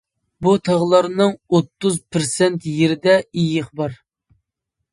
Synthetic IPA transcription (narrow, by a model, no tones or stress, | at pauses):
but̪ʰɑʁlˠɑɾnɨŋot̪ːʊzpʰɪɾsɛnt̪jeɾɪd̪ɛijəχbɑɾ